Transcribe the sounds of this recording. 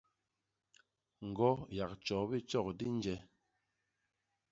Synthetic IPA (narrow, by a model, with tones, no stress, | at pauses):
ŋ̩˨ɡɔ˦ja˨k̚t͡ʃɔ˨˦bi˦t͡ʃɔ˦˨kdi˦n˦d͡ʒɛ˦